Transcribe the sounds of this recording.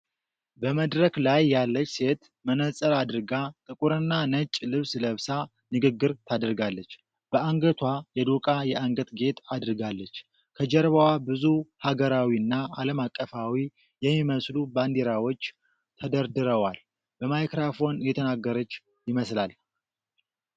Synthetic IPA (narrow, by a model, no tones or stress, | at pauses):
bəməd̪ɾəklajːalːət͡ʃːse̞t̪ | mənəsʼəlad̪ɨɾɡat̪ʼɨkʼuɾɨnːanət͡ʃʼlɨβsləβsa | nɨɡɨɡːɨɾt̪ʰad̪ɾɡalːət͡ʃː | b̥əʔaŋɡət̪ʰwajɛd̪okʼajɛʔaŋɡət̪ɡe̞t̪ad̪ɨɾɡalːət͡ʃː | kʰəd͡ʒɛɾβəwabɨzuhaɡəɾawiɨnːaaləmakʼːəfawi | jɛmːiməsluband̪eɾawo̞t͡ʃː | t̪ʰəd̪əɾd̪ɨɾəwal | b̥əmajkɾafo̞njɛt̪ʰənaɡːəɾət͡ʃː | jɪməslal